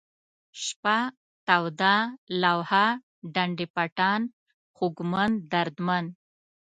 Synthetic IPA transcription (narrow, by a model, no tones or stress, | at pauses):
ʃpa | t̪awd̪alawha | ɖaɳɖipaʈɑn | χʊɡmand̪aɾd̪man